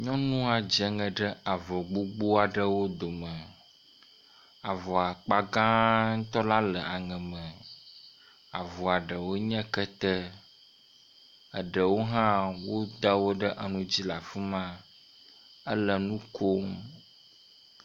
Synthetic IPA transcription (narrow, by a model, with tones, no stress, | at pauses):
ɲɔ̃˦nũ˦a˨d͡ʒɛ˨ŋə̃˨ɖə˦a˨vɔ˨ɡ͡bu˦ɡ͡bo˦a˨ɖə˦wo˦d̪o˨mə˨ | a˨vɔ˨a˨k͡pa˦ɡã˦ŋ̩˦t̪ɔ˦la˦lə˨ʔa˨ŋɛ̃˨mə̃˨ | a˨vɔ˨a˨ɖə˨wo˦ɲɛ̃˦kə˦t̪ə˦ | ə˨ɖə˨wo˦ɦã˦wo˦d̪a˦wo˦ɖə˦ʔə˨nũ˦d͡ʑi˦la˨fu˦mã˦ | ə˦lə˨nũ˦ko˦m